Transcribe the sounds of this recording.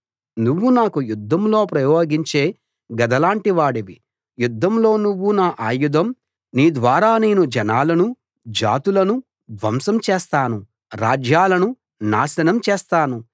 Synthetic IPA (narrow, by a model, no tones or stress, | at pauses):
nuʋːunaːkujud̪ʱːɐmlo̞ːpɾɐjoːɡiɲt͡ʃe̞ː | ɡɐd̪ʱɐlaːɳʈiʋaːɽeʋi | jud̪ʱːɐmlo̞ːnuʋːunaːʔaːjud̪ɐm | niːd̪ʋaːɾaːne̞ːnud͡ʒɐnaːlɐnu | d͡ʒa̰ːt̪ulɐnu | d̪ʋɐmsɐmt͡ʃeːst̪aːnu | ɾaːd͡ʒjaːlɐnu | naːsɐnɐmt͡ʃeːst̪aːnu